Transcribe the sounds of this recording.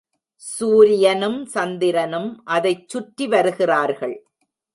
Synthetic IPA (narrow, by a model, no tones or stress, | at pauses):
suːɾɪjɐnɯmsɐnd̪ɪɾɐnɯmʔɐðɐɪt͡ʃːʊʈːiʋɐɾɯɣɪraːɾɣɐɭ